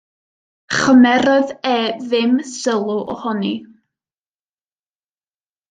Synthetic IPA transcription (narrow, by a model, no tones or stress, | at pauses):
χəmɛɾɔðɛðɪmsəlˠʊʔɔ̰hɔni